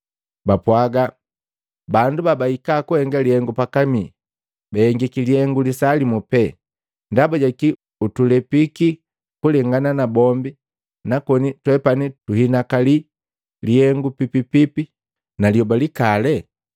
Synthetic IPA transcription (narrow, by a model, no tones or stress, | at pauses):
bapwaɡa | bandubabaikakuhɛŋɡalihɛŋɡupakami | bahɛŋɡikiliɛŋɡulisalimupɛ | ndabaɟaki | utulɛpiki | kulɛŋɡananabɔmbi | nakɔnitwɛpanituhinakali | lihɛŋɡupipipipi | naliɔbalikalɛ